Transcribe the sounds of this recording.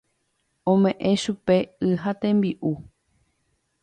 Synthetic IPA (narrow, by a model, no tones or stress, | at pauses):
õmẽʔẽ̞ʃupe̞ɨɦat̪ẽ̞mbiʔu